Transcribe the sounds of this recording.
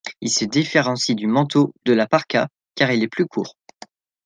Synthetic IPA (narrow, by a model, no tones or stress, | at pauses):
ilsəd̪ifeʁɑ̃sid̪ymɑ̃t̪od̪əlapaʁka̰ | kaʁilɛplykʰṵːʁ